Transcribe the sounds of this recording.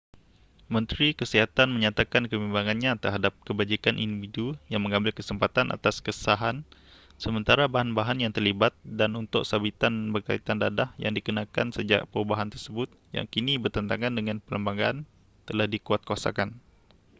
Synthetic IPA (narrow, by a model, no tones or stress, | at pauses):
mə̃nt̪ɾikəsiɦat̪anmə̃ɲat̪akankəbimbaŋanɲat̪ərɦadap̚kəbad͡ʒikanʔḭndividujaŋmə̃ŋãmbɪlkəsəmpat̪anʔa̰t̪askəsaɦan | səmə̃nt̪aɾabaɦanbaɦanjaŋt̪ərlibat̪̚danunt̪ʊksabit̪anbərka̰it̪andadahja̰ŋdikənãka̰nsəd͡ʒa̰ʔpəɾubaɦant̪ərsəbʊt̪̚ja̰ŋkinibərt̪ənt̪aŋandəŋanpələmbaɡaan | t̪əlahdikuat̪̚kəwasa̰kan